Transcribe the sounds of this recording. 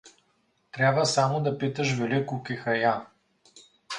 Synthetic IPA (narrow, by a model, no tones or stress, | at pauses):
t̪ɾʲabvəsamod̪ɐpit̪əʃvɛlikʊkixɐja